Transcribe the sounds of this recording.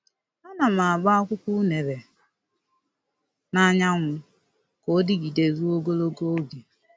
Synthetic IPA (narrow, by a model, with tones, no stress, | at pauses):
a˦na˨ma˨a˨ɡ͡ba˦a˦kʷʊ˦kʷu˦ne˨ɾe˨ | na˦ɲa˦ŋʷʊ˦ | ko˦dɪ˦ɡi˨de˨ɾu˦o˦ɡo˦lo˦ɡo˦o˦ɡe˨